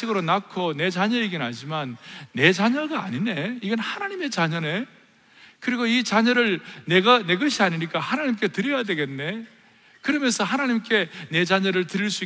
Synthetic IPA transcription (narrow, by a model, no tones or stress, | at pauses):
iɡɯɾonakʰone̞t͡ɕaɲʌeɡinɦad͡ʑimanːe̞t͡ɕaɲʌɡaːɲine̞iɡʌnhanaɲime̞t͡ɕaɲʌne̞ | kɯɾiɡoit͡ɕaɲʌɾɯɭne̞ɡane̞ɡʌɕʰiaɲiɲik͈ahanaɲimk̬͈e̞tɯɾjʌjadwe̞ɡe̞nːe̞ | kɯɾʌmjʌnsʰʌɦanaɲimk͈e̞ne̞d͡ʑaɲʌɾɯɭtɯɾiɭs͈ui